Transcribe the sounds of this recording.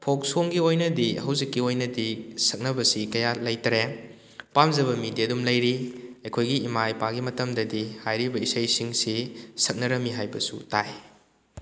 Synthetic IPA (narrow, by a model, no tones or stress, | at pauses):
pʰok̚soŋɡiojnɐdihɐwzikːiojnɐdisɐk̚nɐbɐsikɐjalɐjtɾe | pamzɐβɐmidiɐdumlɐjɾiɐjkʰojɡiːmajpaɡimɐtɐmdɐdihajɾibɐisɐjsiŋsisɐk̚nɐɾɐmːiɦajbɐsṵtaj